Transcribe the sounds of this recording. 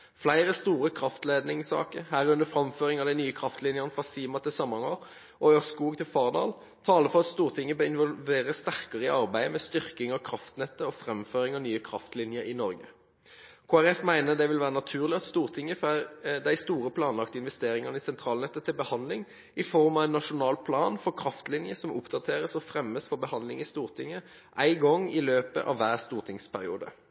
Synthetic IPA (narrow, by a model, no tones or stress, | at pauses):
flæɪʁəst̪uːʁəkʰʁɑft̪leːd̪nɪŋsɑ̰ːkəhæːʁʉnəfɾʁɑmføːʁɪŋɑʋd̪æɪnyːəkʰʁɑft̪lɪnjənəfʁɑsiːmɑt̪ɪlsɑmːɑɑnəʁ | ʔɔøskuːɡt̪ɪlfɑːʁd̪ɑ̰ːl | t̪ʰɑːləfɔʁɑt̪st̪uːʁt̪ʰɪŋːəbøɪnʋɔlʋeːʁəst̪æʁkəʁəɪɑʁbæɪmɛst̪ʏʁkɪŋɑkʰʁɑft̪nɛt̪ːəɔfʁɛmføːʁɪŋɑnyːəkʰʁɑft̪lɪnjəɾɪnɔʁɡə | kʰoːæʁɛfmæɪnəd̪ɛʋɪlʋæːʁənɑt̪ʰʉːʁlɪɑt̪st̪uːʁt̪ʰɪŋːəfd̪æɪst̪uːʁəpʰlɑːnlɑkt̪əɪnʋɛst̪eːʁɪŋɑnəɪsɛnt̪ʰʁɑːlnɛt̪ːət̪ʰːɪlbəhɑnlɪŋ | ɪfɔʁmɑʋæɪnːɑʂʊnɑːlpʰlɑːnfɔʁkʰʁɑft̪lɪnjəsɔmʊpd̪ɑt̪ʰeːʁəsɔfʁɛmːəsfɔɾbəhɑnd̪lɪŋɪst̪uːʁt̪ʰɪŋːə | ʔæɪɡɔŋːɪløːpə̰ʔɑ̰ʋʋæːʁst̪uːʁt̪ʰɪŋspʰæʁɪ̰ṵːd̪ə̰